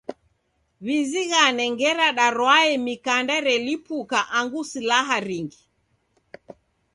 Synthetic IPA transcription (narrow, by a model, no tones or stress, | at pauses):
βiziɣanɛŋɡɛɾaɗaɾwaɛmikandaɾɛlipukaʔaŋɡusilaɦaɾiŋɡi